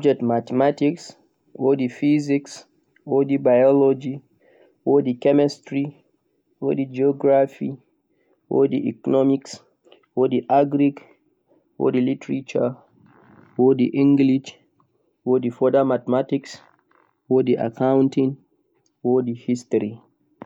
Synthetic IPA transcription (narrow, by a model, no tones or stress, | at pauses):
d͡ʒɛtmatɛmatiks | wɔdifiziks | ɔdibajɔlɔd͡ʒi | wɔdikɛmɛstɹi | wɔ̰did͡ʒiɔɡɹafḭ | wɔ̰diʔɛkɔnɔmiks | wɔdiʔaɡɾik | wɔ̰dilitɹit͡ʃə | wɔdiʔĩŋɡliʃ | wɔdifɔdamatmatiks | wɔdiʔa̰kʰãw̃ntĩn | wɔdihistɔɹi